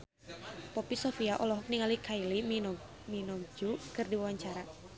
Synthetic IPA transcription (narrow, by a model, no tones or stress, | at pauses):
pɔpisɔfiaʔɔlɔɦɔk̚niŋalikʰailim | minɔd͡ʒukɨrdiwawaɲt͡ʃaɾa